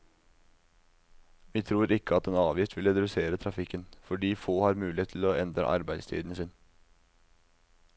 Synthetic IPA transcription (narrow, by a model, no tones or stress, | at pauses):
ʋiːt̪ʰɾuːɾɪkːəɑt̪ɛːnɑːʋjɪft̪ʋɪləɾɛd̪ʉseːɾət̪ʰɾɑfɪkːənfɔɖiːfoːhɑɾmʉːɪeːt̪ʰloːɛnd̪ɾə̰ʔɑ̰ɾbæɪd̪st̪ʰy̰ːd̪n̩əsɪn